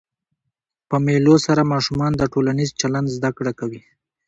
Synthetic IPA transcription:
pəmelosaɾamɑʃumɑnd̪əʈolanizt͡ʃaland̪zd̪akɽakawi

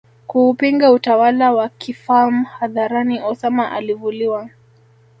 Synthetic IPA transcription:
kuːpiŋɡautawalawakʰifamuhaðaɾaniʔɔsamaʔa̰livuliwa

